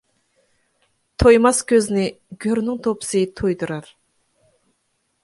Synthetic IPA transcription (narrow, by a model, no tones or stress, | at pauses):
t̪ʰojmɑskʲʰøznɪɡʲøɾnɪŋt̪ʰopɨ̥sɨt̪ʰojd̪uɾɑɾ